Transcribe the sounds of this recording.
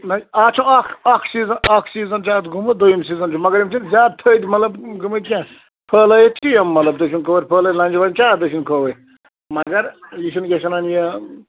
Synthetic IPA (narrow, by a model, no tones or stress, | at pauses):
nɐaːt͡ʃʰũɐkʰɐkʰsiːzɐnɐkʰsiːzɐnt͡ʃaːt̪ɡumɨd̪ujimsiːzɐnt͡ʃʰumɐɡɐɾimʲt͡ʃʰinzʲaːd̪̚t̪ʰəːd̪ʲmɐlɐbɡɨmɨt̪ʲkʲẽː | pʰəːlɐjet̪ʲʰkʲijɐmːɐlɐbd̪ɐʃunkoːʋəɾʲpʰəːlɐt̪ʲlɐnʲd͡ʒiʋɐnʲt͡ʃʰaːd̪əʃ̬ʰinkʰoʋɐ | mɐɡɐɾjiʃʰunɡʲɐʃɐnɐnjɐ